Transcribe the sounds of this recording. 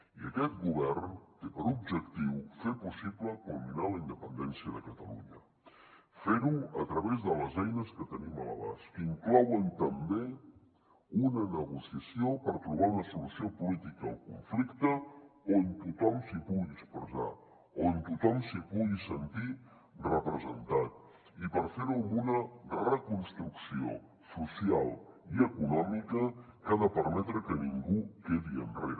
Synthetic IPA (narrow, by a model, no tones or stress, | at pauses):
iəkɛt̪̚ɡuβɛrnt̪epəɾub̚ʒəkt̪iwfepusipləkulminaləind̪əpənd̪ɛnsiəðəkət̪əlṵɲə | feɾuət̪ɾəβezðələzɛjnəskət̪ənimələ̰βa̰skiŋklɔwənt̪əmbe | unənəɣusiəsiopəɾt̪ɾuβ̞aunəsiluəsiopulit̪ikəːlˠkuɱflikt̪əont̪ut̪ɔmsipuɣiəkspɾəza̰ | ont̪ut̪ɔmsipuɣisənt̪i | rəpɾəzə̰nt̪at̪̚ | ipəɾfeɾumbunərəkunst̪ɾuksio̰ | susialˠiəkunɔmikəkaðəpəɾmɛt̪ɾəkəniŋɡukeðiə̰nrḛɾə